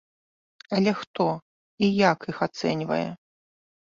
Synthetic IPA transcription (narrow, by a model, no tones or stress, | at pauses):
ɐlʲɛxt̪ɔ | ijakixat̪sɛnʲvɐ̰jɛ̰